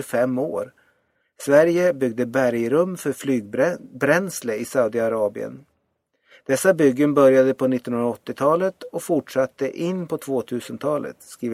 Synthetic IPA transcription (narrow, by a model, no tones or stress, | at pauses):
fɛmːo̰ːɾ | svæɾjəbʏɡ̚d̪əbæɾjɾɵmːfœɾflyːɡbɾɛnsləɪsaʊd̪ɪaɾɑːbɪ̰ə̰n | d̪̥ɛsːabʏɡːənbœɾjad̪əpʰɔnɪt̪ːɔnɵnɾaɔt̪ːɪt̪ʰɑːlət̪ɔfʊʈʂat̪ːəʔɪnːpʰɔt̪ʰvoːt̪ʰʉ̟ːsənt̪ʰɑːlə̰t̪skɾiː